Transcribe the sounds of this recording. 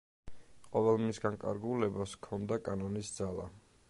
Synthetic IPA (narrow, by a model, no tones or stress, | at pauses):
qʼɔvɛlˠmisɡaŋkʼa̰ɾɡulɛbaskʰɔnd̪akʼanɔnisd̪zalˠa̰